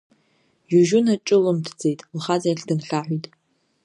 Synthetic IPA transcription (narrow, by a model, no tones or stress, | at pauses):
juʒʊnat͡ʃʼɨlɨmtʰd͡zejtʼlχad͡zajɬdɨnɬaħʷijtʼ